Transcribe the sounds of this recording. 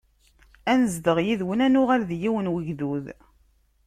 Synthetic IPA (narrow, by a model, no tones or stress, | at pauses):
ænəzd̪əʁjiðwənænʊʁaɾðjiwənwəʝðuð